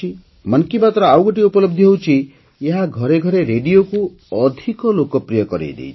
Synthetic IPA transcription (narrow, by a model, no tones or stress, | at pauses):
i | mʌnkibat̪ɾɔawɡoʈiupɔlɔb̚d̪ʱiɦewt͡ʃʰi | eɦaɡʱɔɾeɡʱɔɾeɾeɖioku | ɔd̪ʱikɔlokɔpɾijɔkɔɾḛjd̪ḛjt͡ʃʰ